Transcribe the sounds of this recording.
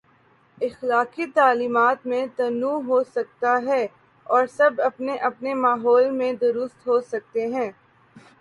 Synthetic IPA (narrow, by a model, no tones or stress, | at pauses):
ɪxlaːqit̪aːliːmaːt̪mẽt̪ɐnũːɦosɐk̚t̪aɦɛː | ɔːɾsɐbɐpneʔɐpnemaːɦɔːlmẽd̪ʊɾʊst̪ɦosɐk̚t̪eɦɛ̃ː